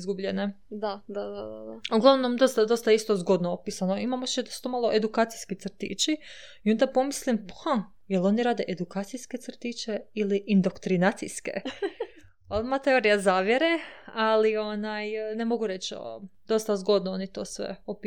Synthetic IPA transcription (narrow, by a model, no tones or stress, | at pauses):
zɡubʎene | d̪ad̪ad̪ad̪ad̪aoɡlˠaʋnonomd̪o̞st̪ad̪o̞st̪aist̪o̞zɡo̞d̪noopisanoimamot͡ʃed̪asu̥t̪omalˠoʔe̞d̪ukaːt̪sijskit̪sr̩t̪ḭt͡ʃiio̞nd̪apo̞mislimpha | jelo̞niɾaːd̪e̞ʔed̪ukaːt̪sijske̞t̪sr̩t̪it͡ʃeiliʔind̪o̞kt̪ɾinaːt̪sḭjskḛ | olmat̪e̞oːɾijazaːʋjeɾealio̞najne̞mo̞ɡuɾe̞t͡ʃo̰d̪o̞st̪azɡo̞d̪noonit̪o̞̰sʋḛopi